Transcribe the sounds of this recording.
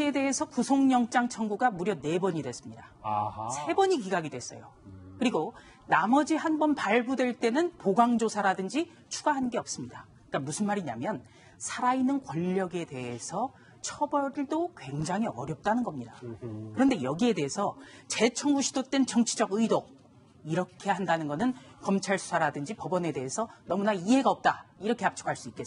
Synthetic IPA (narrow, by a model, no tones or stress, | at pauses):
e̞de̞ɦesʰʌkusʰoŋɲʌŋt͡ɕ͈aŋt͡ɕʰʌŋɡuɡamuɾjʌne̞bʌɲidwe̞s͈ɯmɲidasʰe̞bʌɲikiɡaɡidwe̞s͈ʌ̰jokɯɾiɡo | namʌd͡ʑihanbʌnpaɭbudwe̞ɭt͈e̞nɯnpoɡaŋd͡ʑosʰaɾadɯnd͡ʑi | t͡ɕʰuɡaɦanɡeʌp̚s͈ɯmɲida | ik͈amusʰɯnmaɾiɲamjʌn | sʰaɾainːɯnkwʌʎːʌɡe̞de̞e̞sʰʌ | t͡ɕʰʌbʌɾdokwe̞ŋd͡ʑaŋɦiʌ̰ɾjʌp̚t͈anɯnɡʌmɲidakɯɾʌnde̞jʌɡie̞de̞ɦesʰʌt͡ɕe̞t͡ɕʰʌŋɡuɕʰidot͈we̞nt͡ɕʌŋt͡ɕʰid͡ʑʌɡɯjdo | iɾʌkʰe̞handanɯnɡʌnɯnkʌmt͡ɕʰaɭsʰu̥sʰaɾadɯnd͡ʑipʌbʌne̞de̞ɦesʰʌnʌmunaiɦe̞ɡaʌp̚t͈aiɾʌkʰe̞ap̚t͡ɕʰo̥kʰaɭs͈uik͈e